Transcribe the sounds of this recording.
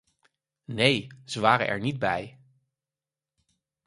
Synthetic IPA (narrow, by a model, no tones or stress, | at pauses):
nejz̥əʋaːɾə̰ʔɛ̰ɹnid̚bɛj